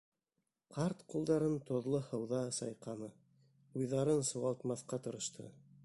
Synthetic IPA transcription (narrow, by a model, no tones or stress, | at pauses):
qʰɑɾt̪qulˠd̪ɑɾɤnt̪ŏðlˠɤhɤ̆wðɑsɑ̰jqɑmɤ | ujðɑɾɤnsɤ̆wɑlˠt̪mɑθqɑt̪ɤ̆ɾɤ̆ʃt̪ʰɤ̰